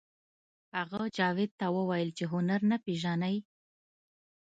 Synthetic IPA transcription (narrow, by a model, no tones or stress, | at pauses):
haɣad͡ʒɑwɪd̪̚t̪awəwajəlt͡ʃeɦʊnaɾnapeʒanaj